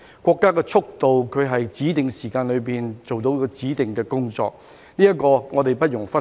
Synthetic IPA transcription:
kʷɔː˧kːaː˥kɛː˧t͡sʰʊ˥k̚t̪o˨wkʰɵ˨˧ɥɦɐ˨jt͡siː˨˥t̪ɪ˨ŋsiː˨˩kaː˧nlɵ˨˧piː˨˩nt͡so˨wt̪o˨˧wkɔ˧t͡siː˨˥t̪ɪ˨ŋkɛː˧kʊ˥ŋt͡sɔ̰ː˧k̚ | niː˥ɐ˥tkɔː˧ŋɔː˨˧t̪e˨jpɐ˥t̚jʊ˨˩ŋfɐ˥

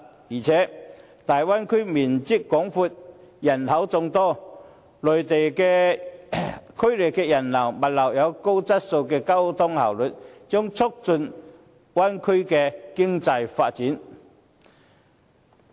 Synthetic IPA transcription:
jiː˨˩t͡sʰɛː˨˦˥ | t̪aː˨jwaː˥nkʰɵ˥miː˨˩nt͡si˥tkːɔː˨˥ŋfuː˧t̚jɐ˨˩nhɐ˨˧˥wt͡sʊ˧ŋt̪ɔː˥ | lɵ˨˩ɥt̪e˨jkɛː˧ | kʰɵ˥ɥle˨˩kkɛː˧jɐ˨˩nlɐ˨˩wmɐ˨t̚lɐ˨˩wjɐ˨˧wko˥wt͡sɐ˥t̚so˧wkɛː˧kɐ˥wt̪ʰʊ˥ŋhɐ˨˩wlɵ˨t̚t͡sʊ˥ŋt͡sʰʊ˥k̚t͡sɵ˧n | waː˥nkʰɵ˥ɥkɛː˧kɪ˥ŋt͡sɐ˧jfaː˧t̚t͡siː˨˥n

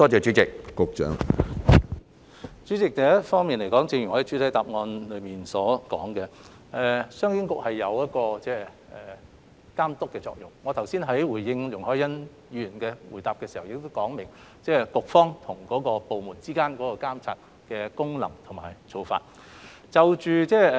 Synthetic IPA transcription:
t̪ɔː˥t͡sɛː˨t͡ʃyː˨˥t͡sɪ˨kːʊ˨k̚t͡ʃœ̰ː˨˥ŋ | t͡ʃyː˨˥t͡sɪ˨k̚t̪ɛ˨jɐ˥tfɔː˥ŋmiː˨nle˨˩jkɔː˨˥ŋt͡sɪ˧ŋjy˨˩ŋɔː˧˥ht͡ʃy˨˥t̪ʰɐ˨˥jt̪aː˨p̚ŋɔː˧nlɵ˨˧ɥmiː˨nsɔː˨˥kɔ̰ː˨˥ŋkɛ˧ | ʔɛ˨˧sœː˥ŋkɪ˥ŋkʊ˨k̚hɐ˨jːɐ˨˧wjɐ˥t̚kɔː˧t͡sɛː˥˩ | ɛ˨˩ | kaː˥mt̪ʊ˥kːɛː˧t͡sɔ̰ː˧k̚jʊ˨ŋːɔː˨˧t̪ʰɐ˨˩wsiː˥nɦɐ˨˥jwuː˨˩jɪ˧ŋjʊ˨ŋhɔː˥jɐ˥n | jyː˧˨yː˨˩nkɛː˧wuː˨˩jt̪aː˨p̚kɛː˧siː˨˩hɐ˨˩wjɪ˨k̚t̪o˥wkɔː˨˥ŋmɪ˨˩ŋ | t͡sɛː˥˩kʊ˨k̚fɔː˥ŋt̪ʰʊ˨˩ŋkɔː˨˥kɔː˧po˨wmuː˨˩nt͡siː˥kaː˥nkɔː˨˥kɔː˧kaː˥mt͡sʰa̰ː˧t̚ | kɛː˧kʊ˥ŋlɐ˨˩ŋt̪ʰʊ˨˩ŋmaː˨˩jt͡so˨˧wfa̰ː˧t̚ | t͡sɐ˨wt͡ʃyː˨t͡sɛː˥˩

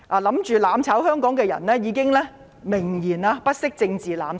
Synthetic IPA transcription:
ʔaː˨˩lɐ˨˥mt͡ʃyː˨laː˨˧mt͡sʰɐ˨˥whœː˥ŋkɔː˨˥ŋkɛː˧jɐ̰˨˩nlɛː˥jiː˨˧kɪ˥ŋlɛː˥ | mɪ˨˩ŋjiː˨˩naː˧pɐ˥t̚sɪ˥k̚t͡sɪ˧ŋt͡siː˨˩la̰ː˨˧m

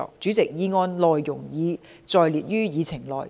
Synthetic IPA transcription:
ɔ̰ː˨˩k̚t͡syː˨˥t͡sɪ˨k̚jiː˨˧ŋɔː˧nlɔː˨jːʊ˨˩ŋjiː˨˧t͡sɔː˨˧jliː˨˩t̚jyː˥jiː˨˧t͡sʰɪ˨˩ŋlɔ̰ː˨˩j

